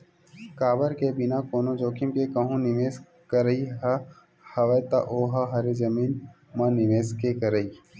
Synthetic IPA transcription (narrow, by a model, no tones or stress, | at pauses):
kaːbəɾkebɪnakoːnod͡ʒoːkɪmkekɐɦũnɪʋeːs | kɐɾəiɦɐ | hɐʋɐt̪ɐʔoːɦaɦɐɾed͡ʒɐmiːn | mɐ̃nɪʋeːskekɐɾəi